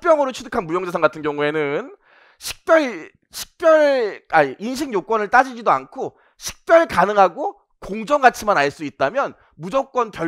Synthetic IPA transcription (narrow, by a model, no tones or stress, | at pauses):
p͈jʌŋɯɾot͡ɕʰudɯkʰanmujʌŋd͡ʑesʰaŋɡatʰɯnɡjʌŋue̞nɯn | ɕʰi̥k̚p͈jʌɭ | ɕʰi̥k̚p͈jʌɭainɕʰiŋjok͈wʌnɯɭt͈ad͡ʑid͡ʑidoankʰo | ɕʰi̥k̚p͈jʌɭkanɯŋɦaɡo | koŋd͡ʑʌŋɡat͡ɕʰimanaɭs͈uit̚t͈amjʌn | mud͡ʑʌk̚k͈wʌnpjʌ